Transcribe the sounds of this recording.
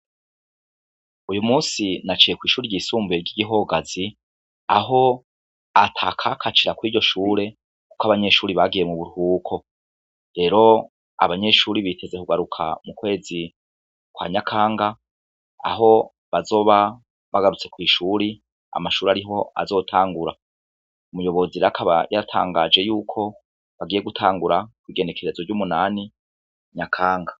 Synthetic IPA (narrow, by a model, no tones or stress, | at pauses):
ujumuːsinat͡ʃije̞kwiːʃuːɾiɟiːsuːmbujeɾɟiːɟiɦo̞ɡazi | aɦo̞ | atʰakʰakʰat͡ʃiɾakwiːɟo̞ʃuːɾe̞ | ku̥koaβaɲe̞ʃuːɾiβaɡije̞muβuɾhuːkʰo̞ | ɾe̞ːɾo̞ | a̰βaɲe̞ʃuːɾiβitʰe̞ze̞kuɡaɾukʰa̰mukwe̞ːzi | kwa̰ːɲakʰaːŋɡa | a̰ɦo̞ | βazo̞ːβa | βaɡaɾut͡se̞kwiːʃuɾi | a̰maʃuːɾaɾiɦo̞a̰zo̞tʰaːŋɡuɾa | umujo̞βo̞ziɾakʰaβa̰jaɾatʰa̰ːŋɡad͡ʒe̞juːkʰo̞ | βaɡije̞ɡutʰaːŋɡuɾakwiːɡe̞ne̞kʰe̞ɾe̞zoɾɟumunaːni | ɲakʰaːŋɡa